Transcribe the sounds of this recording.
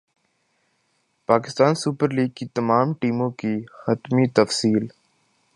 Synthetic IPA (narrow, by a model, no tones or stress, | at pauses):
paːkɪst̪aːnsupəɾliːɡ̚kit̪ɐmaːmʈiːmõkixɐt̪mit̪ɐfsiːl